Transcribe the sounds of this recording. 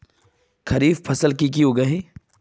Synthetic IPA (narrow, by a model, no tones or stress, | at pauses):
kʰɐɾiːfpʰɐsəlkikioɡɐɦi